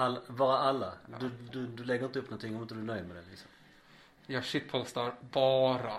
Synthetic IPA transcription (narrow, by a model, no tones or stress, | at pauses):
alːbɑːɾaʔalːad̪ɵd̪ɵd̪ɵlɛɡːəɾɪnt̪əɵpnɔnt̪ʰɪŋːɔmɪnt̪əd̪ʉnœʏjməd̪ɛnlɪ̰ksɔm | jɑːʂɪpʰhɔlst̪ɑɾbɑːɾa